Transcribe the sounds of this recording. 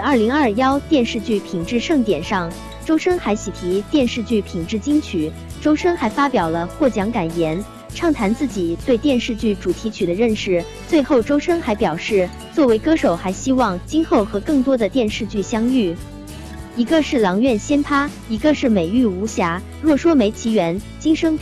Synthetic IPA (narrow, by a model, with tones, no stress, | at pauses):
t͡sɐ˞˥˩li˧˥ŋɐ˞˥˩jɑ˥ʊt̪jɛ˥˧nʂɻ̩˥˧t͡ɕy˥˩pʰi˨˩ŋʈ͡ʂɻ̩˥˧ʂɤ˥˩ŋt̪jɛ˨˩nʂɑ˥˩ŋ | ʈ͡ʂo˥ʊʂə˥ŋxa˧˥ɪɕi˨˩t̪ʰi˧˥t̪jɛ˥˧nʂɻ̩˥˧t͡ɕy˥˩pʰi˨˩ŋʈ͡ʂɻ̩˥˩t͡ɕi˥ŋt͡ɕʰy˨˩˦ | ʈ͡ʂo˥ʊʂə˥ŋxa˧˥ɪfa˥pjɑ˨˩ʊlə˦xwɔ˥˩t͡ɕjɑ˧˥ŋka˨˩njɛ˧˥n | ʈ͡ʂʰɑ˥˩ŋt̪ʰa˧˥nt͡sɹ̩˥˩t͡ɕi˨˩t̪we˥˧ɪt̪jɛ˥˧nʂɻ̩˥˧t͡ɕy˥˩ʈ͡ʂu˨˩t̪ʰi˧˥t͡ɕʰy˨˩d̪ə˦ɻə˥˧nʂɻ̩˥˧˩ | t͡swe˥˧ɪxo˥˩ʊʈ͡ʂo˥ʊʂə˥ŋxa˧˥ɪpjɑ˨˩ʊʂɻ̩˥˩ | t͡swɔ˥˩we˧˥ɪkɤ˥ʂo˨˩ʊxa˧˥ɪɕi˥wɑ˥˧ŋt͡ɕi˥ŋxo˥˩ʊxɤ˧˥kɤ˥˩ŋt̪wɔ˥d̪ə˨t̪jɛ˥˧nʂɻ̩˥˧t͡ɕy˥˩ɕjɑ˥ŋy˥˩ | i˧˥ɡə˧ʂɻ̩˥˩lɑ˧˥ŋɥɛ˥˩nɕjɛ˥npʰa˥ | i˧˥ɡə˧ʂɻ̩˥˩me˨˩ɪy˥˩u˧˥ɕja˧˥ | ɻwɔ˥˩ʂwɔ˥me˧˥ɪt͡ɕʰi˧˥ɥɛ˧˥n | t͡ɕi˥ŋʂɤ˥ŋ